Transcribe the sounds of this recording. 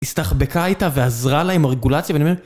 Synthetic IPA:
ist̪aχbe̞kaitaveazʁalaemaʁeɡulat͡sjavenmel

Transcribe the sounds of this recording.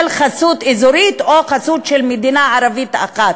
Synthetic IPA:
lχasut̪ezuɾit̪oχasut̪ʃelmed̪inaʕaɾavit̪a̰χat̪

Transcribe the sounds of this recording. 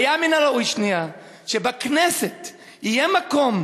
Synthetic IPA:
jaminalaujʃnia | ʃebakneset̪ | ijemako̞m

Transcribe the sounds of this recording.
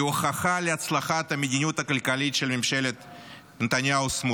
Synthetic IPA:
oxɐxalʲɪɐt̪slˠɐxat̪ɐmʲjɪdʲɪnʲut̪ɐkəlʲkalʲit͡ʃelʲmʲɪmʃelʲet̪ | ɨnt̪ɐnʲjaʊsmu

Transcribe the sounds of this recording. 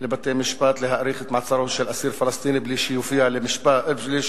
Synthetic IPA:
lɪbat̪ːeːmɪʃbaːt̪lɪɦaʔɾiːxɪt̪maʕt̪sˤɑɾˤuʃilʔasiːɾfɪlɑst̪iːnibliːʃɪjufɪjalɪmɪʃbali

